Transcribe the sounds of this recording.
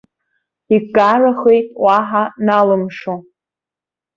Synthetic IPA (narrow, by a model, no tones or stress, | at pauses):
iɡaraχejtʼwaħanalɨmʂo